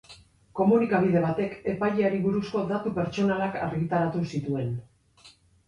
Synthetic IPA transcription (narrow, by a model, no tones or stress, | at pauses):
ko̞munikaβ̞ið̞e̞βat̪e̞ke̞pajʎeaɾiβuɾusko̞ðat̪upe̞ɾt͡ʃo̞nalakʰa̰ɾɣit̪aɾat̪usit̪ue̞n